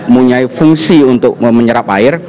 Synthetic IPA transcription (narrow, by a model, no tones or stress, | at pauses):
muɲaifuŋsiunt̪ʊk̚məɲəɾapa̰ɪr